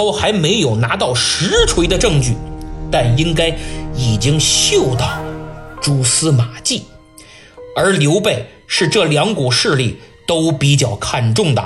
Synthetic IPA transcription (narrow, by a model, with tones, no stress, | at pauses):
o˥˧ʊxa˧˥ɪme˧˥ɪjo˨˩ʊna˧˥t̪ɑ˥˩ʊʂɻ̩˧˥ʈ͡ʂʰwe˧˥ɪd̪ə˧ʈ͡ʂɤ˥˧ŋt͡ɕy̰˥˩t̪a˥˩ni˥ŋka˥ɪi˨˩t͡ɕi˥ŋɕjo˥˧ʊt̪ɑ˥˩ʊʈ͡ʂu˥˩sɹ̩˥ma˨˩t͡ɕi˥˩ | ə˞˧˥ljo˧˥ʊpe˥˩ɪ | ʂɻ̩˥˧ʈ͡ʂɤ˥˩ljɑ˧˥ŋku˨˩ʂɻ̩˥˧li˥˩t̪o˥ʊpi˧˥t͡ɕjɑ˥˩ʊkʰa˥˧nʈ͡ʂʊ˥˩ŋd̪ə̰˩